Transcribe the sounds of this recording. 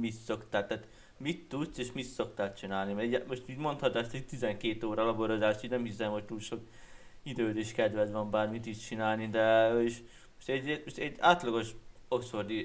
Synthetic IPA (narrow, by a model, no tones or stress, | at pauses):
mit̪so̞kt̪aːlt̪aːt̪ | mit̪ːut̪seːʃmit̪so̞kt̪alt̪t͡ʃinaːlnimɛimo̞ʃt̪mimo̞nt̪hɒt̪ɛst̪ɛt̪izɛŋkeːt̪oːɾɒlɒboɾozaːʃt̪inɛmhisɛmho̞c̚t̪uːlʃo̞k | id̪øːd̪iʃkɛd̪ʋɛzʋɒmbaːrmit̪ist͡ʃinaːlnid̪ɛøiʃ | mo̥ʃt̪ɛɟmoʃt̪ɛɟːaːt̪lɒɡo̞ʃoksford̪i